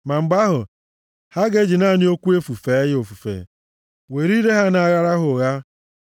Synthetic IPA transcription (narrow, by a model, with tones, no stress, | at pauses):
ma˨ŋ͡m̩˨ɡ͡ba˦ɦʊ˨ | ha˦ɡe˦d͡ʒi˨na˦˨nɪ˦o˦kʷu˦e˦fu˨fe˨˦jo˨fu˨fḛ˨ | we˨ɾi˦ɾe˦ɦa˦na˨ɣa˦ɾa˦ɦʊ˨ɣa˦